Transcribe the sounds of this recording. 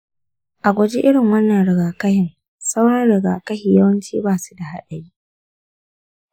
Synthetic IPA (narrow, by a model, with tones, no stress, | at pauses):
ʔa˨ɡʷɔ˨d͡ʒi˦ʔɪ˦ɽɪ˨ŋwɐ˦nːɐ˨nɽɪ˨ɡaː˨kɐ˦hɪ˨ŋ | sa˦wɽɐ˦ɽɪ˨ɡa̰ː˨kɐ˦hi˨jɐ˦wɐ˦nt͡ʃiː˦baː˦˨su̥˦da˨ha˦ɗɐ˨ɽiː˦